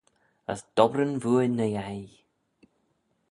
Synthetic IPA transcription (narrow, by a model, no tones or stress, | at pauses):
ə̰sd̪̥ɔbɾənvuːənːəjaj